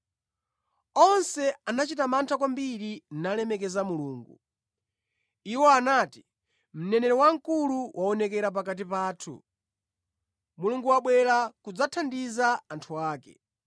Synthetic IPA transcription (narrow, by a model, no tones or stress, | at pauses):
ɔnsɛanat͡ʃitamantʰakwambiɾin̩nalɛmɛk̬ɛzamuluːŋɡṵ | iwɔanati̥ | m̩nɛnɛɾɔwaŋ̩kuluwʔaɔnɛkɛɾap̬akat̬ipaːtʰṵ | muluŋɡuwaɓwɛɾakud͡zatʰandizaantʰuaːkɛ̰